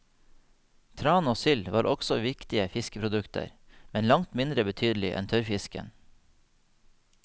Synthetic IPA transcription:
t̪ʰɾɑːnoːsʏlʋɑːɾʔɔɡsɔʋɪkt̪ɪəfɪskəpʰɾʊd̪ʉkt̪ʰə̰ɾ | mɛnlɑŋt̪mɪnd̪ɾəbət̪ʰyːd̪lɪʔɛ̰nt̪ʰœɾfɪskə̰n

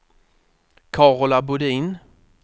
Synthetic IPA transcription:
kʰɑːʁlabʊd̪iːn

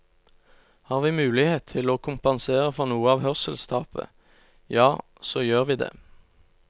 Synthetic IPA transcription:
hɑːʁʋiːmʉːlɪheːt̪ʰɪloːkʰʊmpɑnseːʁəfɔʁnuːəɑːʋhœʁsɛlskʰɑːpə̰ | jɑː | soːjøːʁʋiːd̪ḛː

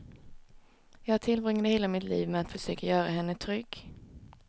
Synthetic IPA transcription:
jɑːɡhaʈʰɪlvɾʏŋːəd̪heːlamɪt̪liːvmɛat̪fœʂøːkajœːɾahɛnːət̪ʰɾʏɡː

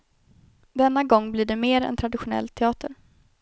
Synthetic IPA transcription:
d̪ɛnːaɡɔŋːbliɖɛmeːɾɛ̰nt̪ʰɾad̪ɪɧʊnɛ̰lt̪ʰɛɑːt̪əɾ

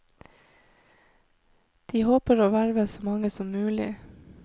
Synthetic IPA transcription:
d̪̥iːhoːpəɾoːʋæɾʋəsoːmɑŋəsɔmmʉːlɪ̰

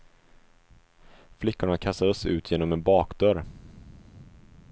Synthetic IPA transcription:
flɪkːʊɳakʰast̪ad̪əsʉ̟ːt̪ʰjeːnɔmɛnbɑːkd̪œɾ

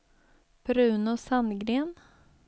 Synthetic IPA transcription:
b̥ɾʉ̟ːnʊsanɡɾeːn

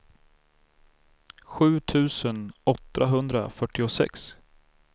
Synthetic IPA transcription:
ɧʉ̟ːt̪ʰʉ̟ːsənɔt̪ːaɦɵnd̪ɾa̰fœʈːɪʊsɛ̰ks

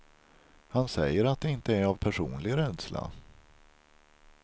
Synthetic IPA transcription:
hansɛjːəɾat̪̚d̪ɛɪnt̪əæɾavpʰæʂuːnlɪɡɾɛd̪sla̰

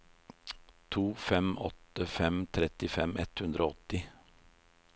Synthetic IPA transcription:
t̪ʰuːfɛmɔt̪əfɛmt̪ʰɾɛt̪ɪfɛmɛt̪hʉnd̪ɾʔoːɔt̪ɪ

